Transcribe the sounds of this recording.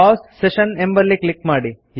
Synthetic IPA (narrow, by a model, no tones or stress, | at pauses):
aːsːeʃɐnembɐɾlːiklikmaːɽi | j